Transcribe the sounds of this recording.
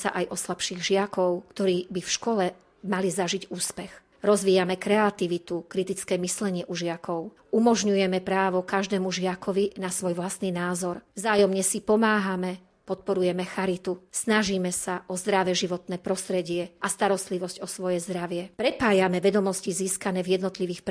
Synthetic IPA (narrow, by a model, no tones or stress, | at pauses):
sa̰ʔajʔɔslapʃiːɣʒɪakɔʊkt̪ɔɾiːbifʃkɔlɛ | malizaʒiɟuːspɛx | ɾɔzʋiːjamɛkɾɛat̪iʋit̪ukɾit̪it͡skɛːmislɛɲɪɛʔuʒɪakɔʊ | umɔʒɲujɛmɛpɾaːʋɔkaʒd̪ɛːmuʒɪakɔʋinasʋɔjʋlast̪niːnaːzɔɾvzaːjɔmɲɛsipɔmaːɦamɛ | pɔt̪̚pɔɾujɛmɛxaɾit̪usnaʒiːmɛsaʔɔzd̪ɾaʋɛʒiʋɔt̪nɛːpɾɔst̪ɾɛɟɪɛʔast̪aɾɔst̪liʋɔscɔsʋɔjɛzd̪ɾaʋɪɛpɾɛpaːjamɛʋɛd̪ɔmɔsciziːskanɛːvjɛd̪nɔt̪liʋiːxp